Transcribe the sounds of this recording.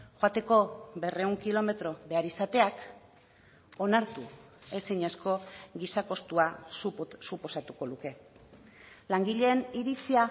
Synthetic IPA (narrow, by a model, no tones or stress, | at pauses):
ʝoat̪e̞ko̞βe̞re̞uŋkilo̞me̞t̪ɾo̞βe̞aɾisat̪e̞ak | o̞naɾt̪ue̞siɲesko̞ɣisako̞st̪uasusupo̞sat̪uko̞luke̞ | laŋɡiʎe̞ːniɾit͡sia